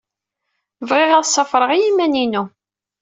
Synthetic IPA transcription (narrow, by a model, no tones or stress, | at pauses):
vʁɪʁæðsˤːɑfɾˤəʁijimːæninu